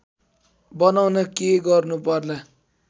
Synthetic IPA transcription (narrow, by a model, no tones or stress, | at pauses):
bʌnawnʌkeɡʌrnupʌrla